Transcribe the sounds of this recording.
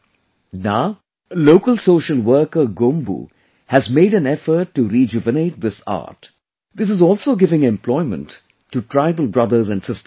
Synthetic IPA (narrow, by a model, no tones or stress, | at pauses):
naʊ | loːkəlsoːʃəlwəːkəɡõmbṵ | hæzmeɪɾæ̃nɛfəɾʈːuɾid͡ʒɪvəneɪʈ̚d̪ɪsa̰ːʈ | d̪ɪs̬ɨzɔːlˠsoːɡɪvɪ̃ŋɛ̃mpʰlɔɪmə̰̃ntː | uʈʰɾaɪbəlˠbɾʌd̪əɾzæ̃nsɪstə